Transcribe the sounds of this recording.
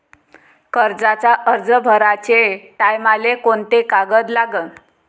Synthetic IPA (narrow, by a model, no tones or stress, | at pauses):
kəɾd͡zat͡saʔəɾd͡zəbʱəɾat͡ɕeʈajmalekoɳt̪ekaɡəd̪laɡən